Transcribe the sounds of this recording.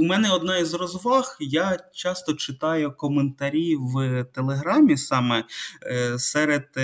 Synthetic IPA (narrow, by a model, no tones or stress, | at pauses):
umɛnɛɔd̪nɑizrɔzʋɑxjat͡ʃɑst̪ɔt͡ʃɪt̪ɑjʊkɔment̪ɐɾʲiwt̪elˠeɦɾɑmʲisɑmɛ | sɛɾed̪̥